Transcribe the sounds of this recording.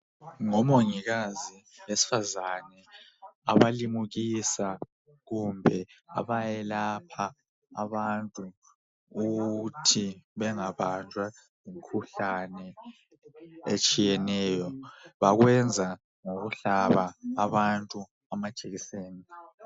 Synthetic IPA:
ŋɔmoŋiɣazi | wesi̥fazanɛaβalimuɣisa | ɣumbʱɛa̰βajɛlapʰaː | βantʼuː | ɣutʰiβɛŋaβand͡ʒʱwa | jiŋkʰuɬanɛ | et͡ʃʼijɛnɛːjɔβaɣwɛnd͡zʱa | ŋoɣuɬaβaːβantʼu | amḁʒ̥ʱeɣiseːni

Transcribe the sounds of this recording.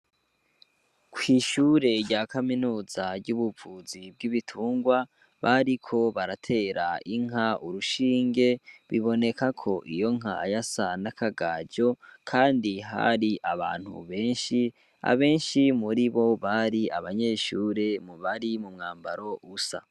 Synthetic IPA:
kwiʃuːɾe̞ɾɟakaminuːzaɾɟuβuvuzibɡiβitʰuːŋɡwa | βaɾikʰo̞βaɾatʰe̞ːɾaiŋɦauɾuʃiːŋɡe̞βiβo̞ne̞kakʰo̞ʔijo̞ŋ̥ɦajasanakʰaɡaːd͡ʒo̞kʰaːndiɦa̰ɾiʔaβa̰ːn̥hṵβe̞ːnʃi | a̰βe̞ːnʃimuɾiβo̞βaɾiaβaɲe̞ʃuːɾe̞muβaɾimumŋaːmba̰ɾo̞ʔusa̰

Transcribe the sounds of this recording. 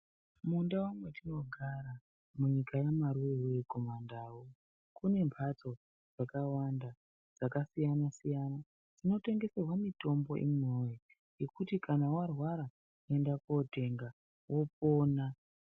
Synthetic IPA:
mundawamwe̞tino̞ɡʱaɾa | muɲikajamaɾuewejeko̞mandaːwo | kune̞mpʰat͡so̞ | d͡zakawanda | d͡zakasijanasijana | d͡zino̞te̞ŋɡe̞serwamito̞mbo̞ʔḭmoji | je̞kutikʰanawarwaɾa | e̞ndakote̞ŋɡa | wo̞po̞ːna

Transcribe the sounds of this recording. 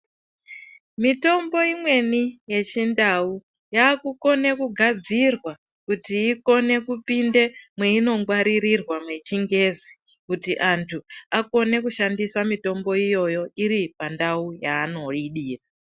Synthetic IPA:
mito̞mbo̞imwe̞nije̞t͡ʃindau | jaːkuko̞ne̞kuɡʱad͡zirwa | kutiːko̞ne̞kupinde̞mwe̞ino̞ŋɡwaɾiɾirwamwe̞t͡ʃiŋɡe̞ːzi | kutiʔantʰuako̞ne̞kuʃandisamito̞mbo̞ijo̞jo̞iɾipandaujaːno̞ɗiɗiːra

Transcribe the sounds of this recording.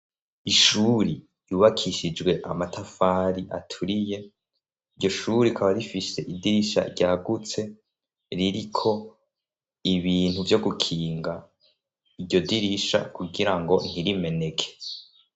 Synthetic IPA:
iʃuɾi | juːβakʰiʃid͡ʒɡwe̞ʔa̰matʰafaːɾiʔa̰tʰuɾije̞ | iɾɟo̞ʃuɾikʰaβaɾifiʃe̞ʔidiɾiʃa̰ɾɟaːɡut͡se̞ | ɾiɾikʰo̞ | iβiːn̥huvjo̞ɡukʰiːŋɡa | iɟo̞diɾiʃa̰kuɡiɾaŋɡo̞n̥iɾime̞ne̞kʰe̥

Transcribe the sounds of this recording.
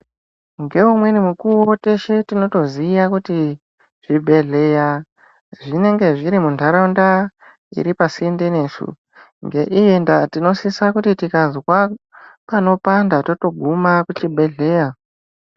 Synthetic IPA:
ŋɡe̞umwe̞nimukuwo̞te̞ʃetino̞to̞ziːjakuti | ʐ̥ibʱe̞ɮe̞ja | ʐine̞ŋɡe̞ʐiɾimundʱaɾonda | ḭɾipasiindene̞ːsṵ | ŋɡe̞ʔijendatino̞sisakutitikazwapano̞pandato̞to̞ɡʱumakut͡ʃibʱe̞ɮe̞ːja

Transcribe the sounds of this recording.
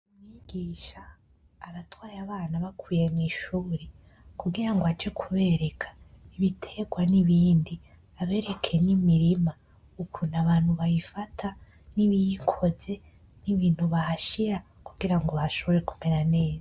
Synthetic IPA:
umŋiɡ̥iʃaː | βatwaːɾaβaːnaβakwiːjemŋiːʃuːɾe | kuɡiɾaŋɡoat͡ʃekʰuβe̞ɾe̞kʰḁ | iβitʰe̞ɡwaniβiːndi | aβe̞ːɾe̞kʰe̞nimiɾima | ukʰunaβaːn̥huβajifatʰa | niβijikʰo̞ze̞ | niβiːn̥huβahaʃiɾa | kuɡiɾaŋɡo̞βaaʃo̞βoɾeku̥me̞ɾane̞ːza

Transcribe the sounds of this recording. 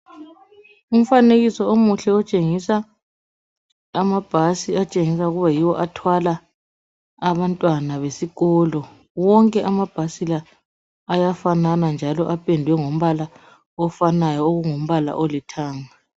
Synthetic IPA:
um̩faneɣisɔomuɬɛɔt͡ʃʼeŋisa | mab̥ʱasiat͡ʃʼeŋisaɣuβajiwɔʔatʰwala | aβantʼwanaβesiɣɔlɔ | wɔŋkʼɛʔamab̥ʱasilaː | jafananand͡ʒʱalɔʔapʰʼendʱwɛŋom̩βala | ɔfanajɔoɣuŋom̩βala̰ʔɔlɛtʰaːŋa

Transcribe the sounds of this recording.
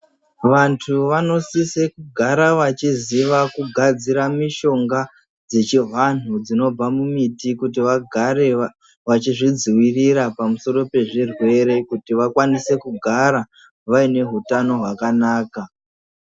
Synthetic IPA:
ʋantʰuʋano̞sise̞kuɡʱaɾaʋat͡ʃiziʋakuɡʱad͡ziɾamiʃo̞ŋɡa | d͡ze̞t͡ʃiɦan̤ud͡zino̞b͡vamumitikut̬iʋaɡʱaɾe | ʋat͡ʃiʐid͡ziwiriɾapamuso̞ɾo̞pe̞ʐirwe̞ɾe̞kutiʋakwanise̞kuɡʱaɾa | ʋaine̞ɦutano̞ɦwakanaːka

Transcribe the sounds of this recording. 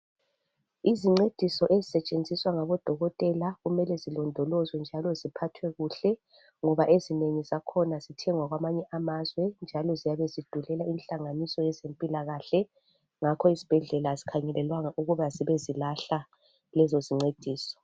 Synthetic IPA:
iziŋ͡ǀed̥ʱisɔʔezisɛt͡ʃʼend͡zʱiswaŋaβɔd̥ʱɔɣɔtʼɛlaɣumɛlɛzilɔndʱɔlɔzwɛnd͡ʒʱalɔzipʰatʰwɛɣuɬɛ | ŋɔβaʔezineŋizakʰɔnaz̥itʰɛŋwaɣwamaɲɛʔamazwɛnd͡ʒʱalɔzijaβezid̥ʱulɛlainɬʼaŋanisɔjɛzempʼilaɣaɬɛ | ŋakʰɔizi̥b̥ʱɛɮɛlazikʰaɲɛlɛlwaŋaʔuɣuβaziβezilaɬa | lɛzoziŋ͡ǀed̥ʱiːsɔ̥

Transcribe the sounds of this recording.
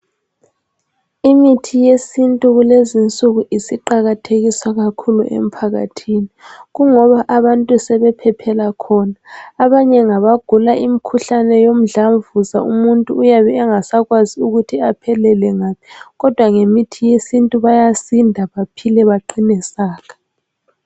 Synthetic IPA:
imitʰijesintʼuɣulezint͡sʼuɣuʔisiǃaɣatʰeɣiswaɣakʰuluʔḛm̩pʰaɣa̰tʰiniɣuŋɔβaʔaβantʼusɛβɛpʰɛpʰɛlakʰɔnaːβaɲɛŋaβaɡ̥ʱulaimikʰuɬanɛjom̩ɮaɱvuza̰ṵmuntʼuːjaβɛːŋasaɣwaziuɣutʰiapʰɛlɛlɛŋaːmiɣɔd̥ʱwaŋemitʰijesintʼuβajasindʱaβapʰilɛβaǃinɛsaːɣḁ

